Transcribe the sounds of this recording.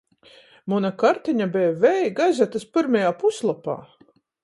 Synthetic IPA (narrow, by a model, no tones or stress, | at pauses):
munakaɾt̪iɲabɛːvɛjɡajzʲat̪aspɨɾmajaːpuslˠapa̰ː